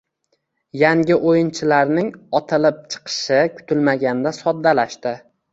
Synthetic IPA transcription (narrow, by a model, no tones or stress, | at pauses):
jaŋʲɪʔojɪnt͡ʃʰɪlaɾnɪŋɒt̪ʰɪlɪp̚t͡ʃʰɨ̥qʰɨ̥ʃɪkʰʊ̥t̪ʰɪlmaɡʲand̪asɒd̪ːalaʃt̪ɪ